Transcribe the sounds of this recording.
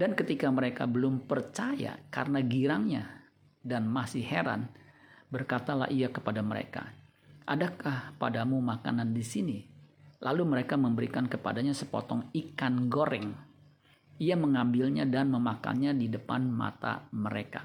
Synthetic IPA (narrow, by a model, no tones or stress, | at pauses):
dankət̪ikaməɾeka̰bəlʊmpərt͡ʃaja̰ka̰rənaɡiɾaŋɲa | danmasɪheɾa̰nbərkat̪ala̰hijakəpadaməɾḛka̰ | ʔadakahpadamumaka̰nandisinilʔaluməɾekaməmbəɾikankəpa̰daɲasəpɔ̰t̪ɔŋikanɡoɾɛŋ | iaməŋambɪlɲadanməmaka̰nɲadidəpanma̰t̪a̰məɾeka